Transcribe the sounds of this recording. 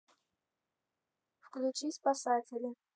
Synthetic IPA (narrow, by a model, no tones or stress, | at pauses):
fkʼlut͡ʃʰispʼasaːtʲʰelʲe